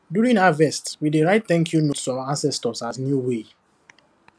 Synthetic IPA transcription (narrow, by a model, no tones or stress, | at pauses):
djuɹĩŋaavɛstwideɹaɪtθɛ̃ŋkʰjunotsɔãnsɛstɔsasnjuwe